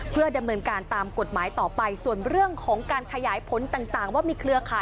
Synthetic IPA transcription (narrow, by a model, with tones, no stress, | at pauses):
pʰɯ˥˩əda˧mnɤː˧nkaː˧nt̪aː˧mko˨˩t̪̚maː˩˦jt̪ɔː˨˩pa˧jsu˨˩ənɾɯ˥˩əŋkʰɔː˩˦ŋkaː˧nkʰa˧jaː˩˦jpʰo˨˩˦nt̪aː˨˩ŋt̪aː˨˩ŋwaː˥˩miː˧kʰɾɯ˧ɐkʰaː˩˦j